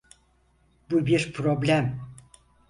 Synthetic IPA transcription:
bubiɾpʰɾoblʲæm

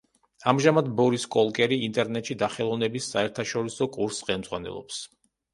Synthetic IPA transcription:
amʒamad̪bɔɾiskʼɔlˠkʼɛɾiːnt̪ʼɛɾnɛt̪ʃid̪aχɛlˠɔvnɛbisːaɛɾt̪ʰaʃɔɾisɔkʼuɾsːχɛlˠmd̪zʁwanɛ̰lˠɔ̰ps

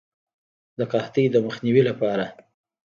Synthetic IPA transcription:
d̪əqɑht̪əjd̪əməxniwilapɑɾa

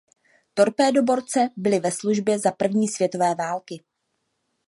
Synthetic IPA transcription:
t̪o̞ɾpɛːdo̞bo̞ɾt͡sɛbɪlɪvɛsluʒbjɛzapr̩vɲiːsvjɛt̪o̞vɛːvaːlkɪ

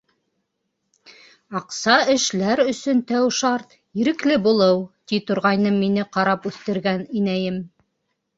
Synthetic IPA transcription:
ɑqsɑɘ̆ʃlæɾɵ̆sɵnt̪æwʃɑɾt̪ | iɾɘ̆klɘbulˠɤwt̪it̪ŏɾʁɑjnɤmːinɘqɑɾɑpʉθt̪ɘ̆ɾɡæninæjɘm

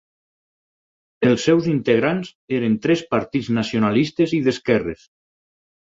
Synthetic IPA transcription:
elˠsːɛwzint̪eɣɾanzeɾent̪ɾɛspaɾt̪id͡znasionalist̪eziðeskɛres

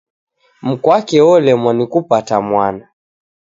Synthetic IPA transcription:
m̩kwakɛɔlɛmwanikupatamwana

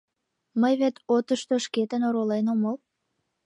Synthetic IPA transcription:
məjβet̪ot̪əʃt̪oʃket̪ənoɾolenoməl

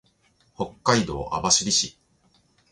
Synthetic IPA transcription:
ho̞kːaid̪o̞̰ːʔa̰baɕiɾʲiɕi

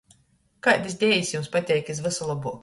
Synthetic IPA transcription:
kajd̪ɨs̬ʲd̪ʲɛjisʲjumspat̪ʲɛjkizvɨsɔlˠɔbuː

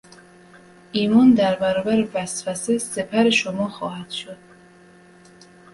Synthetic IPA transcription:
iːmɔnd̪æɾbæɾɔːbæɾevæsfæsesepʰæɾeʃomɒːxɒːhæd̪̥ʃod̪̥

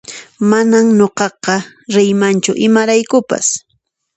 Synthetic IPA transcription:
manamɲoqɑqɑ | ɾɪjmant͡ʃʊʔɪmaɾajkʊpa̰s

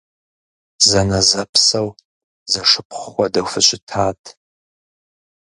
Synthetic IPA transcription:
zɐnɐzɐpʰsɐw | zɐʂɨpʰχχʷɔdɐwfɨɕʼɪtʰaːtʰ

